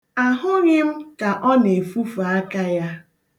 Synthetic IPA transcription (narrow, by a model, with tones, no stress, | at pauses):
a˨ɦʊ˦ɾɪ˦m̩˦ka˨ʔɔ˦ne˨fu˦fa˨a˦ka˦ja˦